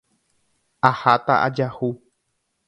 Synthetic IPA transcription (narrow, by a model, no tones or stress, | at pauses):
ahat̪a̰ʔa̰d͡ʒahu